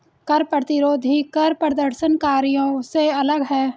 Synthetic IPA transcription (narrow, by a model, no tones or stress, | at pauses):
kɐɾpɾət̪ɪɾoːd̪ʱikɐɾpɾəd̪əɾʃənkaːɾijõseɐləɡɦɛː